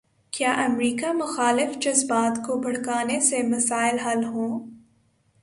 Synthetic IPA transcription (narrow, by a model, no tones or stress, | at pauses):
kjaːʔɐmɾiːkamʊxaːlɪfd͡ʒɐzbaːt̪kobʱɐɽ̤kaːnesemɐsaːɪlɦɐlɦõː